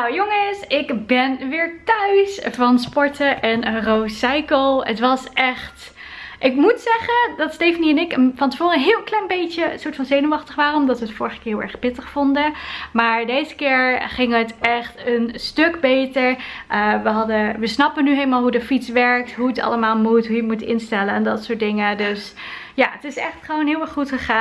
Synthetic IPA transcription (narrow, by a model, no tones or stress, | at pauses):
nawjoŋəsɪkbɛnʋɪːɹtœɥsvɑnspɔɹtəʔɛnərowsɛjkəlˠətʋɑsɛχt | ʔɪkmutsɛχədɑtstejfəniɛnɪkənfɑntəvʊːɾəəɦɪːlˠklɛjnbejtəsʊːɹtfɑnzejnəwɑχtəχʋaːrənɔmdɑtʋəətfʊːɹəχə̥kɪːɹɦɪlˠɛɹχpɪtəχfɔndəmaːɹdejzəkɪːɹχɪŋɦətɛχtənstøkbejtəɹʔəʋəɦɑdəʋəsnɑpənyɦejləmalˠɦudəfitsʋɛɹk̚tɦuətɑ̰ləmaːlˠmutɦujəmutɪ̰nstɛlənɛndɑtsʊːt̚dɪŋədøsjaːətɪsɛχtχəʋownɦɪːlˠɛɹχχutχəχaː